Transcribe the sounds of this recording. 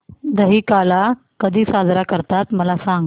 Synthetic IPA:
d̪əɦiːkala | kəd̪ʱiːsad͡zɾakəɾt̪at̪məlasãŋɡ

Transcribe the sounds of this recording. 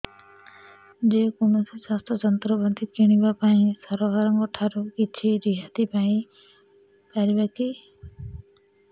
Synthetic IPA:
d͡ʒekunusisast̪ɔd͡ʒɔnt̪ɾɔbɔd̪ʱikiɽ̃ibapaĩsɔɾɔkaɾɔŋkɔʈʰaɾukit͡ʃʰiɾiɦat̪ipaĩ | kaɾibaki

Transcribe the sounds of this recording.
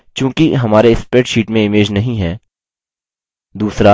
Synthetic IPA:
kjõːkiɦɐmaːɾeɪspɾeːʈʃiːʈmẽɪmeːd͡ʒnɐɦĩɦɛː | d̪uːsɾa

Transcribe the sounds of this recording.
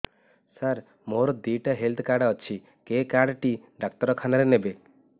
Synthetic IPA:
səɾ | moɾɔd̪iʈɦelt̪ʰkaɽɔt͡ʃʰi | kekaɽʈiɖak̚t̪ɔɾɔkʰanaɾenebe

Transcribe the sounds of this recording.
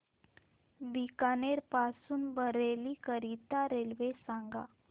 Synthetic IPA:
bikaneɾpasuːnbəɾelikəɾit̪aɾelʋesaŋɡa̰

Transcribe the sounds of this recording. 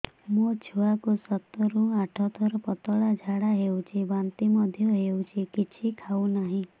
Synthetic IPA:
mũt͡ʃʰuakusɔt̪ːɔɾũaʈʰɔt̪ʰɔɾɔpɔt̪ɔɽad͡ʒʱaɽaɦewt͡ʃʰibant̪imɔd̪ʱjɔɦewt͡ʃʰikit͡ʃʰikʰawnaɦĩ

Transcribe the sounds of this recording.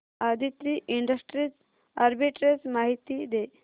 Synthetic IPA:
ad̪ʱit̪ɾiʔiɳɖəsʈɾit͡s | aɾbiʈɾet͡smaɦit̪id̪e

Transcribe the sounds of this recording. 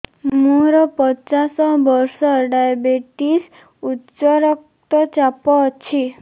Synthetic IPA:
mũɾɔpɔt͡ʃasɔbɔɾsɔɖajabeʈis | utt͡ʃɔɾɔk̚ | t̪ɔt͡ʃapɔt͡ʃʰi

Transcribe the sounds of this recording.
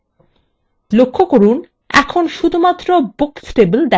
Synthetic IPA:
lokʰːokoɾun | ɛ̰kʰonʃud̪ʱumat̪ːɾobuksʈebəld̪ɛ

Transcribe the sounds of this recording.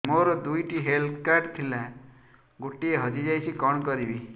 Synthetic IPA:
moɾɔd̪ujʈiɦelt̪ʰkaɾʈt̪ʰilɛ | ɡoʈːieɦʌd͡ʒid͡ʒajsʰikɔɳkɔɾibi

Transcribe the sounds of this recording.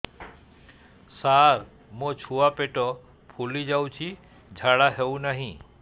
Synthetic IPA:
saɾ | mõt͡ʃʰuapeʈɔ | pʰulid͡ʒaw̃t͡ʃʰi | d͡ʒʱaɽaɦeũnaɦĩ

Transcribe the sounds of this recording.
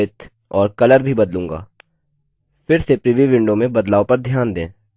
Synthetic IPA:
ɪt̪ | ɔːɾkɐləɾbʱibɐd̪lũːŋɡa̰ː | fɪɾsepɾɪʋiʋɪ̃ɳɖomẽbɐd̪laːõpɐɾd̪ʱjaːnd̪ẽː

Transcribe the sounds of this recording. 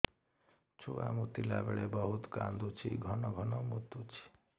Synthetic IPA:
t͡ʃʰua̰mut̪ila̰beɭebɔɦut̪kand̪ut͡ʃʰḭɡʱɔnɔɡʱɔnɔmut̪ːut͡ʃʰi̥

